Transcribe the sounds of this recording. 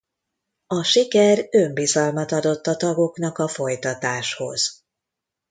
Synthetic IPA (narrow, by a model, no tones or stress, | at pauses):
ɒʃikɛrømbizɒlmɒt̪ɒd̪o̞t̪ːɒt̪ɒɡo̞knɒkɒfo̞jt̪ɒt̪aːʃho̞̰z̥